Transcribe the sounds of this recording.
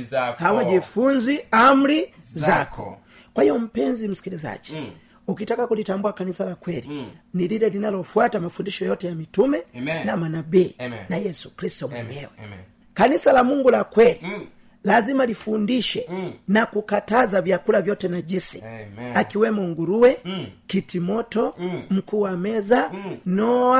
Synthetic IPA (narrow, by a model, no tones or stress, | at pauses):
hawaɟifunziam̩lizakɔ̰ | kwahijɔm̩pɛnzim̩si̥kiliza̰ɟi | ukitakakulitambuakanisalakwɛliniliɾɛlinalɔfwatamafundiʃɔjɔtɛjamitumɛnamanabiːnajɛsu̥kɾistumwɛɲɛwɛ | kanisalamuŋɡulakwɛli | lazimalifundiʃɛnakukatazavjakulavjɔtɛnaʄisḭakiwɛmuŋɡuɾuwɛkitimɔtɔm̩kuːwamɛzanɔa